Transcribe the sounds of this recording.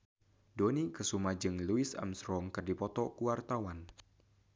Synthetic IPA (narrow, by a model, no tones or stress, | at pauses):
donikəsumad͡ʒɨŋluɪsa̰msɾɔŋkɨrdipɔt̪ɔkuwart̪awan